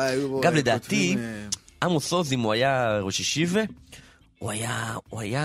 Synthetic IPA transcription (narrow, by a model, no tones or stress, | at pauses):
ɡamled̪aːt̪i | amosozimuajaʁoʃiʃive | uajauaja